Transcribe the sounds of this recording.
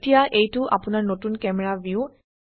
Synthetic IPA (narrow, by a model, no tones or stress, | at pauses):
tijaʔejtʊʔa̰pʊnaɹnotunkɛmɛɹabiu